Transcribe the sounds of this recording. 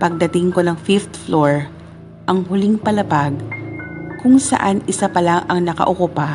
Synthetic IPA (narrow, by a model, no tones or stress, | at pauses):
pɐɡ̚d̪ɐt̪ɪŋko̞nɐŋfift̪floɹ | ʔɐŋɦʊlɪŋpɐlɐbaɡ̚ | kʊŋsɐ̰ʔanɪsapɐlaŋʔɐŋnɐkɐ̰ʔokʊpa